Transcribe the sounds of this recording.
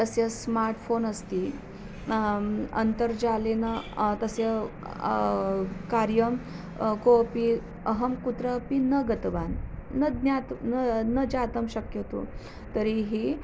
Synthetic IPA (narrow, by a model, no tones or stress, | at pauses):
t̪əsəsmaɾʈfonəst̪i | ə̰nt̪əɾd͡ʑalenat̪əse | kaɾjəm | kopi | əɦəmkut̪ɾəpinəɡət̪ʋanːəd̪njat̪nnəd͡ʑat̪əmɕəkjət̪o̰ | t̪əɾiɦi